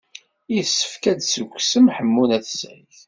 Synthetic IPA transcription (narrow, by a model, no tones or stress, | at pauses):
isːə̥fkæd̪səɡʷsəmħəmːunæθəsʕiθ